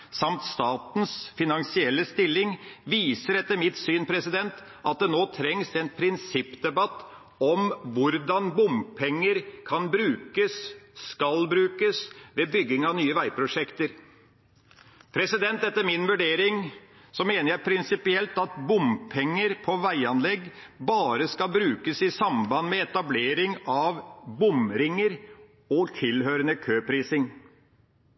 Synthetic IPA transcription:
sɑmt̪st̪ɑːt̪n̩sfɪnɑnsɪɛlːəst̪ɪlːɪŋʋiːsəɾɛt̪ːəɾmɪt̪syːnpʰɾɛsɪd̪ɛnt̪ | ʔɑt̪̚d̪ɛnoːt̪ʰɾɛŋsɛnpʰɾɪnsɪpːd̪ɛbɑt̪ː | ɔmʋʊɾd̪ɑnbʊmpʰɛŋːəɾkʰɑnbɾʉːkəsskɑlbɾʉːkəsʋɛbʏɡɪŋɑʋnyːəʋæɪpʰɾʊʂɛkt̪əɾ | pʰɾɛsɪd̪ɛnt̪ɛt̪ːəɾmɪnʋʉɖeːɾɪŋ | sɔmeːnəɾjæɪpʰɾɪnsɪpɪɛlt̪ɑt̪bʊmpʰɛŋːəɾpʰɔʋæɪɑnlɛɡːbɑːɾəskɑlbɾʉːkəsɪsɑmbɑnmɛɛt̪ɑbleːɾɪŋɑʋbʊmɾɪŋːəɾ | ɔt̪ʰɪlhøːɾənəkʰøːpʰɾiːsɪŋ

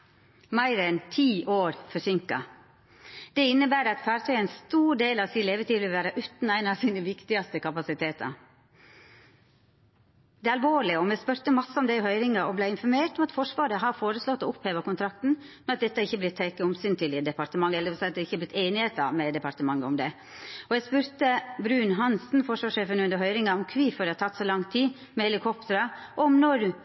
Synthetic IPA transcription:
mæɪɾɛnt̪ʰiːʔoːɾfɔsʏŋkɑ̰ | d̪̥ɛɪnːəbæːɾɑt̪fʰæːɾt̪ʰœənst̪uːɖeːlɑʋsiːnleːʋəʈiːʋɪlʋæːɾəʔʉːt̪n̩æɪnɑʋsiːnəʋɪkt̪ɪɡɑst̪əkʰɑpɑsɪt̪ʰeːt̪ɑ̰ɾ | d̪ɛːɑlʋoːɭɪɔmɛspœɾt̪əmɑsːəɔmd̪æɪhœʏɾɪŋɑʔɔblæɪɪnfɔɾmeːɾʈ̪ɔmɑt̪fɔʂʋɑːɾəɦɑfoːɾəslɔt̪ːɔʊpheːʋəkʊnt̪ɾɑk̚t̪n̩ | mɛnɑt̪̚d̪ɛt̪ːəæɪçːəblɪt̪ʰːeːkəʊmsyːnt̪ʰɪlɪd̪ɛpɑɾt̪əmɑŋːəɛləd̪ɛʋɪsɛɪɑt̪d̪ɛɪçːəblɪt̪ːeɪːnɪheːt̪ɑ̰mɛd̪ɛpɑɾt̪əmɑŋːəɔmd̪ɛ | ɔjæspʉɾt̪əbɾʉːnɦɑnsn̩fɔʂʋɑːʂeːfənʉnd̪əɦœʏɾɪŋɑɔmkʰʋiːfɔɾɖ̪ɛhɑt̪ʰɑt̪ːsɔlɑŋt̪ʰiː | mɛhɛlɪkʰɔpt̪əɾɑʔɔmnɔɾ

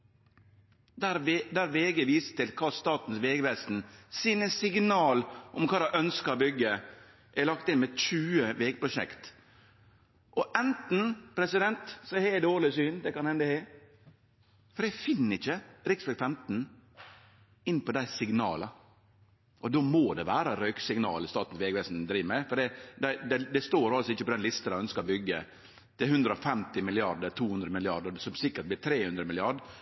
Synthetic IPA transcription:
d̪æɾd̪æɾʋeːɡəʋiːsə̥t̪ɪlkʰɑːst̪ɑːt̪n̩sʋeːɡɾæsn̩sinəsɪɡnɑːlʔʊmkʰɑːd̪ɑʔœnskəɾbʏɡːə | ʔɛlɑkt̪ɪnmɛc͡çʉːəʋeːɡ̚pʰɾʊʃɛ̰kt̪ | ʔɔʔɛnt̪n̩pʰɾɛsɪd̪ɛnt̪sɔheɪd̪oːlɪsyːnd̪ɛkɑnhɛnd̪əhɛɪ | fɔɾjæɡfɪnːəɪçːəɾɪksfɛfɛnt̪n̩ | ɪnːpɔd̪æɪsɪɡnɑːlə | ʔɔd̪oːmoːd̪ɛʋæːɾəɾœʏksɪŋnɑ̰ːlɪst̪ɑːt̪n̩sʋeːɡʋɛsnd̪ɾiːʋəmæɪfɔɖɛd̪æɪd̪ɛd̪ɛst̪oːɾɑlsɔɪçːəpɔd̪ɛnlɪst̪ɑnæɪœnskɑɾɔbʏɡːə | t̪ɪɦʉnd̪ɾəɔfɛmt̪ɪmɪlɪɑɾɖət̪ʰuːhʉnd̪ɾəmɪlɪɑɖəsɔmsɪkːəʈ̚blɪːt̪ʰɾeːhʉnd̪ɾəmɪlɪɑɖ

